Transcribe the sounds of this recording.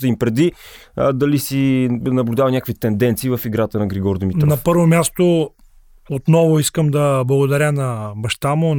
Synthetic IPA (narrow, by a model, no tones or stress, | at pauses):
t̪əimpɾɛd̪i | d̪ɐlisinɐblʲud̪avənʲakəkvit̪ɛnd̪ɛnt̪siːvɐfiɡɾat̪ənɐɡɾiɡɔɾd̪mit̪nɐpəɾvomʲjast̪o | ot̪nɔvʊiskəmd̪ɐblˠɐɡʊd̪ɐɾʲənɐbɐʃt̪amo